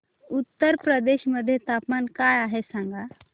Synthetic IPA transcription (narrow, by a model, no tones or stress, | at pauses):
ut̪ːəɾpɾəd̪eɕməd̪ʱːjet̪apmankajaɦesãŋɡa